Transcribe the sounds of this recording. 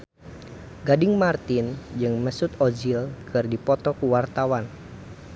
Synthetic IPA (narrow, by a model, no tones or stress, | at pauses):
ɡadɪŋmart̪ɪnd͡ʒɨŋməsut̪od͡ʒilkʰɨrdipɔt̪ɔkuwart̪awan